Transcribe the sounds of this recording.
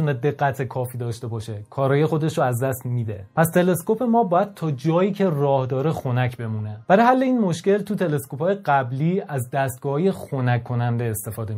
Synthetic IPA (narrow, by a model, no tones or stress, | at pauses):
ned̪e̞ɡːæt̪ʰekʰɒːfiːd̪ɒːʃt̪e̞bɒːʃe̞kʰɒːɾɒːje̞xo̞d̪e̞ʃɾoæzd̪æst̪miːd̪e̞̰pʰæst̪ʰe̞le̞sko̞pe̞mɒːbɒːjæd̪̥̚t̪ʰɒːd͡ʒɒːjiːcʰe̞rɒːhd̪ɒːɾexo̞næcʰbe̞muːneb̥æɾeɦælːeiːnmo̞ʃce̞lt̪ʰut̪ʰe̞le̞sko̞pʰɒːje̞ɡæbliːæzd̪æst̪̚ɡɒːhɒːje̞xonækʰːo̞nænd̪e̞ːst̪e̞fɒːd̪e